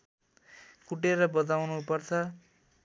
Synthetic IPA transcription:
kuʈeɾʌbʌt̪awnupʌrt͡sʰʌ

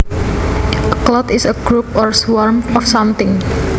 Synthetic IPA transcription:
əklɔt̪ɪsəɡɾup̚ɔɹswɔɹmɔfsãmt̪ɪ̃ŋ

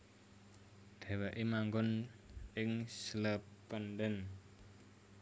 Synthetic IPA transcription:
d̪̥ɛ̤wɛʔemaŋɡʊnʔɪŋsləpːəndən

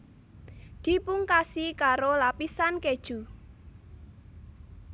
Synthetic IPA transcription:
ɡ̪̥ipʊŋkasikaɾolapisanked̥ʒ̥u

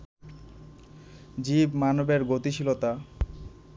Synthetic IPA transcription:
d͡ʑibmanobeɾɡot̪iʃilot̪a

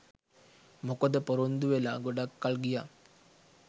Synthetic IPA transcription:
mokəd̪əpoɾond̪uʋelaːɡoɖakːalɡija

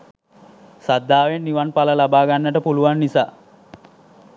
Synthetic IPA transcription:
sad̪ʱːaːʋenːiʋanpaləlabaːɡanːəʈəpuluʋanːisaː

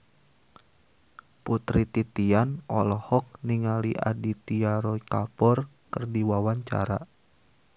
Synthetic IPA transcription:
put̪ɾit̪it̪ianʔɔlɔhɔk̚niŋaliʔa̰dit̪iaɾɔikapɔr | kərdiwawaɲt͡ʃa̰ɾa̰

